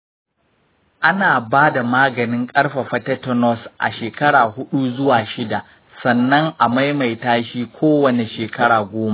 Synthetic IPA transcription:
ʔa˦naː˨baː˦da˨maː˦ɡɐ˨nɪ˦ŋkʼɐ˦ɽɸa˨ɸɐ˦tɐ˦tɔ˦nɔ˦sʔa̰˨ʃeː˨kɐ˦ɽaː˨hʊ˦ɗu˦zʊ˦waː˨ʃɪ˦da˨ʔ | sɐ˨nːɐ˦ŋʔa˨ma˦jma˨jtaː˦ʃiː˦kʷʰoː˦wɐ˨ne˨ʃeː˨kɐ˦ɽaː˨ɡʷoː˦ma˦ʔ

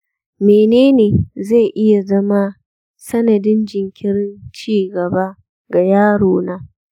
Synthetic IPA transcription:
meː˨neː˦neː˨za˦˨ʔɪ˦ja˨zɐ˦ma˦ | sɐ˦nɐ˨dɪ˦nd͡ʒɪ˨ŋkʲʰɪ˦ɾɪ˦nt͡ʃiː˦˨ɡɐ˨ba˦ | ɡa˨jaː˦ɽoː˨naː˦

